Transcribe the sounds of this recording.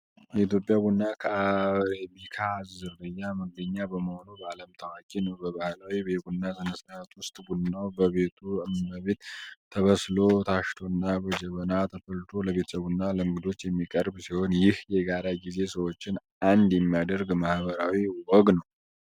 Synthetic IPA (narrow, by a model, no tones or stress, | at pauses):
jɛit̪jo̞pʼːjaɡunːakʰəabikʰazzɨrːɨjaməɡəɲːabəməho̞nubəaləmt̪ʰəwakʼinəwbəβahlawibeɡunːazɨnəsnat̪wʊst̪ʼɡunːawbəβe̞t̪ʰuɨmːəβe̞t̪ʰːəβəslo̞t̪ʰaʃt̪ʰo̞nːabəd͡ʒəβənat̪ʰəfəlt̪ʰo̞ləβe̞t̪ʰsəɡunːaləɨŋɡɨd̪o̞t͡ʃːjɛmːikʼəɾbsiho̞njɪhjɛɡaɾaɡize̞səwo̞t͡ʃːɪnʔand̪jɛmːijad̪əɾɡmahbəɾawiwɔɡnəw